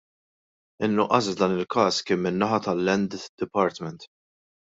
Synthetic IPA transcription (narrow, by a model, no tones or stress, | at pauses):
ɪnːʊʔːɐs̬d̪ɐːnɪlkɐːskɪːmːɪnːɐħɐt̪ɐlːɛnd̪d̪̥ɪpɐːɾt̪mɛnt̪